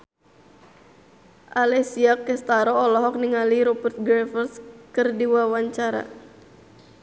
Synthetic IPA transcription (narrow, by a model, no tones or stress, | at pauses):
ʔalɛsiakɛst̪aɾɔːlɔɦɔk̚niŋaliɾɔbɛrt̪̚ɡɾɛfərskɨrdiwawaɲt͡ʃaɾa̰